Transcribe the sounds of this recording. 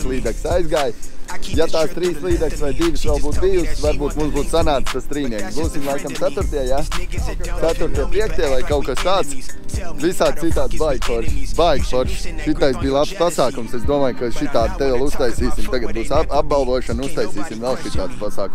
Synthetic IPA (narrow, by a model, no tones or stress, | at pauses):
slˠiːd̪ɛksajzɡaːjjat̪aːst̪ɾiːslˠiːd̪ɛksvajd̪iʋɨsʋɛlˠbuːt̪̚bijusvaɾbuːt̪mũmsbuːt̪sanaːt̪st̪ast̪ɾiːniɛksbuːsimlˠajkamt̪sæt̪uɾt̪iɛja | t̪æt̪uɾt̪iɛpiɛk̚t̪iɛvajkaʊkast̪aːt̪svisaːd̪it̪ːaːd̪sbajɡfɔɾʃbajɡfɔɾʃʃit̪ːaj̪biːlˠapspasaːkumsezd̪uɔmaːjkaʃit̪aːd̪̚t̪ɛvɛlˠust̪ajsiːsimt̪aɡat̪̚buːsaab̚balˠd̪uɔʃɐnust̪ajsiːsimvɛlˠʃit̪ːaːd̪spasaːku